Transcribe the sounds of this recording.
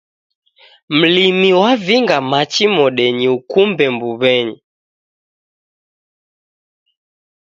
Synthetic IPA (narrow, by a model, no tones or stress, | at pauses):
m̩limiwaviŋɡamat͡ʃimɔɗɛɲiukumbɛmbuβɛɲi